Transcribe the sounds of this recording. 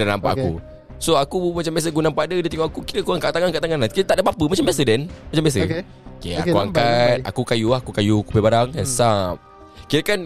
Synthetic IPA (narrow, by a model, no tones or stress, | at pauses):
danampa̰ʔakṵ | soakumat͡ʃambias̬əɡunãmpadədat̪iŋoakukiɾəkoɾaŋkaʔt̪aŋankaʔt̪aŋanankitət̪aʔdabapəmat͡ʃambiasədɛnmat͡ʃambias̬ə | kḛa̰kua̰ŋkat̪̚a̰kukajuahkukajukupebaɾaŋansap̚ | kiɾəkan